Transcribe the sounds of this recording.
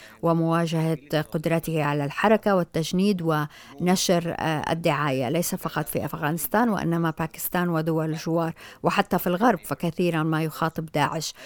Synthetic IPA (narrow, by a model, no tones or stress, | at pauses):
wɪmʊwaːʒahaqʊd̪ɾˤɑt̪ɪhaʕalalħɑɾˤɑkawɪt̪ːaʒniːd̪wɪ | naʃɾʔa̰d̪ːɪʕaːja̰lejsafɑqɑt̪ˤfiʔafɣaːnɪst̪aːnwɪ̰ʔɪ̰nːamapaːkɪ̥st̪aːnwɪd̪ʊwalɪlʒɪwɑːɾˤwɪħat̪ːafilɣɑɾˤbfakaθiːɾanmajʊxɑːt̪ˤɨbd̪aːʕɪʃ